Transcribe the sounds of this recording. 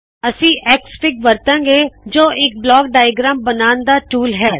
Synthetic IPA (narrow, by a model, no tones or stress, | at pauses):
əsĩːʔɛːkspɪkʋəɾt̪ãːŋɡeːd͡ʒoːʔɪk̚blɔːkɖaːjəɡɾaːmbənaːnd̪aːʈuːlɦɛː